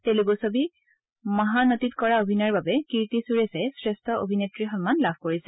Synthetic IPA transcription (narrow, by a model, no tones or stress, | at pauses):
tɛ̃luk̬osobi | maɦanɔtitkɔɹaobʱinɔɹbabɛkiɹtisuɹesɛsɹɛstʰɔʔo̰bʱinetɹixɔnmanlabʱkoɹisɛ